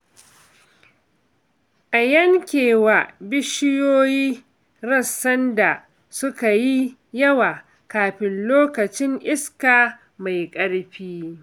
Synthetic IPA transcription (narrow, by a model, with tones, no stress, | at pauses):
ʔa˨jɐ˦ŋkʲeː˨wa˨bɪ˦ʃɪ˦joː˦jiː˦ | ɾɐ˦sːɐ˦nda˨ | sʊ˦ka˨ji˦jɐ˦waː˨ | kaː˨ɸɪ˨nloː˦kɐ˨t͡ʃɪ˦ŋʔɪ˦skaː˨ | ma˨jkʼɐ˦ɽɸiː˦